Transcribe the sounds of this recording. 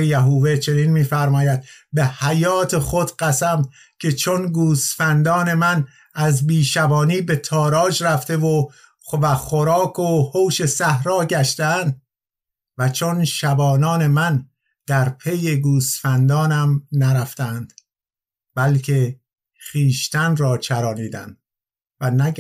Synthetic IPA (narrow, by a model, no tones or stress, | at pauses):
ejæɦuːve̞t͡ʃʰe̞ninmiːfæɾmɒːjæd̪̚be̞hæjɒːt̪ʰe̞xod̪ɢæsæm | kʰe̞t͡ʃʰonɡuːsfænd̪ɒːne̞mæn | æzbiːʃæbɒːniːbe̞t̪ʰɒːɾɒːʒræft̪e̞vo | væxoɾɒːkʰohowʃe̞sæhɾɒːɟæʃt̪ænd̪ | væt͡ʃʰonʃæbɒːnɒːne̞mæn | d̪̥æɾpʰeje̞ɡuːsfænd̪ɒːnæmnæɾæft̪æːnd̪̥ | b̥ælkʰe̞ | χiːʃt̪ænrɒːt͡ʃʰæɾɒːniːd̪æ̰nd̪ | vænæ